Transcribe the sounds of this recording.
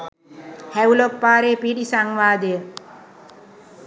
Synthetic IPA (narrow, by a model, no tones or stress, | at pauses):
hæulopːaːɾeːpiɖisaŋʋaːd̪əjə